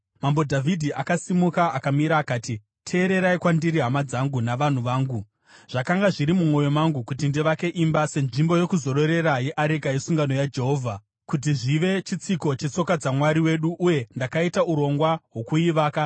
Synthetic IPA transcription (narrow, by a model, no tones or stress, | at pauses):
mambo̞dʱavʱidʱiʔakasimukaʔakamiɾaːkaːti | tʰe̞ːɾe̞ɾaikwandiɾiɦamad͡zaŋɡunaʋan̤uʋaːŋɡu | ʐ̥akaŋɡaʐiɾimumo̞jo̞maŋɡukutindiʋake̞ʔimbase̞nʐimbo̞jo̞kuzo̞ɾo̞ɾe̞ɾaje̞ʔaɾekaisuŋɡano̞jad͡ʒe̞ɦo̞ːvʱa | kut̬iʐiʋe̞t͡ʃit͡siko̞t͡ʃe̞t͡so̞kad͡zamwaɾiwe̞ɗuʔːje̞ndakaitauɾo̞ŋɡwawo̞kuiʋaːka